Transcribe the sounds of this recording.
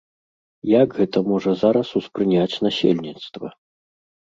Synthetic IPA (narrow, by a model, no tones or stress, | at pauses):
jaɡɣɛt̪ɐmɔʐɐzaɾɐsuspɾɨnʲat͡sʲnasʲḛlʲnʲit̪st̪vɐ̰